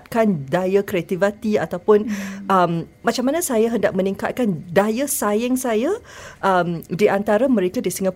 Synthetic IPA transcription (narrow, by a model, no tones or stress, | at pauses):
t̪̚kandajakɾeat̪ivat̪ia̰t̪awpʊnʔəmːat͡ʃaŋmːanasajaɦənda̰ʔ̚mə̃niŋka̰t̪̚kandajasajɛŋsajaʔəmdiʔant̪aɾamə̃ɾekadisəŋa